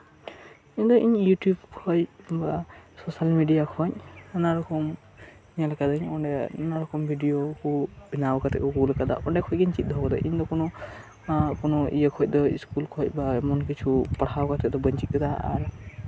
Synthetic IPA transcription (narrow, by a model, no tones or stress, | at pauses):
iɲd̪ɔʔiɲjuʈjubkʰɔc̚basɔsalmiɖijakʰɔɲanaɽɔkɔm | ɲalɛkad̪aɲɔɳɖɛnaɽɔkɔmbʱiɖijokubinawkat̪ɛ̰ʔkɔkulɛkad̪a̰ʔɔɳɖɛkʰɔɡiɲt͡ʃit̪̚d̪ʱɔkɔd̪ɔ̰ʔiɲd̪ɔkɔnɔ | kɔnɔḭjəkʰɔc̚ˀd̪ɔḭskulkʰɔc̚ˀbaɛmɔnkit͡ʃʰupaɽʰawkat̪ɛd̪ɔbəɲt͡ʃit̪̚kad̪aʔa̰ɾ